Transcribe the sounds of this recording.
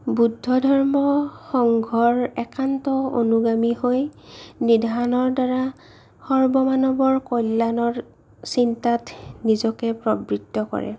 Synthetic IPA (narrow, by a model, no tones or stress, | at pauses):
budʱːɔdʱɔɹmɔxɔŋɡʱɔɹɛkantɔo̰nuɡamihojnidʱaɹnɔɹdaɹa | xɔɹbɔmanɔbɔɹkɔjlːanɔɹ | sintatnizɔkɛpɹɔbɹitːɔkɔ̰ɹɛ̰